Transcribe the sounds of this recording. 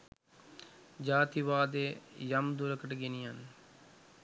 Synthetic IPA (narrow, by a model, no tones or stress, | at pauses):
d͡ʒaːt̪iʋaːd̪ejamd̪uɾəkəʈəɡenijan